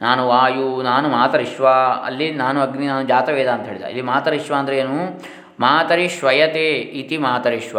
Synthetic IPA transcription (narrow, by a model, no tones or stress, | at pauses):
naːnuʋaːjunaːnumaːt̪ɐɾiʃʋaɐ̰lːinaːnuɐɡninaːnud͡ʒaːt̪ɐʋeːd̪aːnt̪ɐɦeːɭid̪a̰ɐ̰lːimaːt̪ɐɾiʃʋaːnd̪ɐɾeeːnu | maːt̪ɐɾiʃʋɐjɐt̪eːit̪imaːt̪ɐɾiʃʋa̰